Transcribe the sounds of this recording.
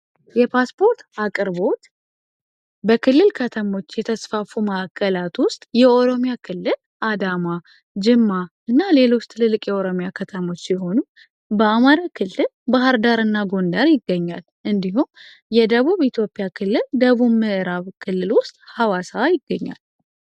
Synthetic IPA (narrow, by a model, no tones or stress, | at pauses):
jɛpʰaspʰo̞ɾt̪akʼɨɾbo̞t̪ | bəkʰɨlːɨlkʰət̪ʰəmo̞t͡ʃːjɛt̪ʰəsfafuməʔakʰːəlat̪wʊst̪ʼjɛʔo̞ɾo̞mijakʰɨlːɨl | ʔad̪ama | d͡ʒɪmːa | ɨnːale̞lo̞t͡ʃːt̪ʰɨlɨlːɨkʼjɛoɾo̞mjakʰət̪ʰəmo̞t͡ʃːjɛɦo̞nu | bəamaɾakʰɨlːɨlbaɦɨɾd̪aɾɨnːaɡo̞nd̪aɾjɪɡːəɲːal | ʔɨnd̪iɦum | jɛd̪əβuβit̪ʰjo̞pʼijakʰɨlːɨld̪əβuβmɨʔɨɾaβkʰɨlːɨlwʊst̪ʼhawasajɪɡːəɲːa̰l